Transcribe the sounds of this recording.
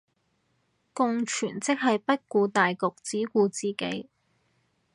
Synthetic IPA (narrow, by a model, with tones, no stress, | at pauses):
kʊ˧ŋt͡ʃʰyː˨˩nt͡sɪ˥k̚ɦɐ˨jpɐ˥t̚kuː˧t̪aː˨jkʊ˨k̚t͡siː˨˥kuː˧t͡siː˨ke˨˥j